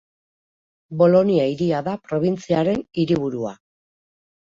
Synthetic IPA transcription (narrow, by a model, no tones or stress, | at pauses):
bo̞lo̞niaiɾiaðapɾo̞β̞int͡siaɾe̞niɾiβ̞uɾua̰